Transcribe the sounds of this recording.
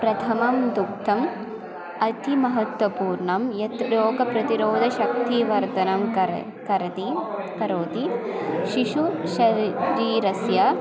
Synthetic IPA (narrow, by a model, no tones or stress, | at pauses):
pɾɐt̪ʰɐmɐmd̪uk̚t̪ɐm | ɐt̪ʰimɐɦɐt̪ʋɐpuːɾɳɐmjɐt̪joːɡɐpɾɐt̪iɾoːd̪ʱɐʃɐk̚t̪iʋɐɾt̪ɐnɐm | kɐɾɐt̪ikɐɾoːt̪iʃiʃuʃɐɾiːɾɐsjɐ